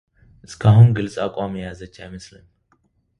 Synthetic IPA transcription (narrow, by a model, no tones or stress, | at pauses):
ʔɨskʰaɦumɡɨlsʼakʷʼamjazət͡ʃːajməslɨn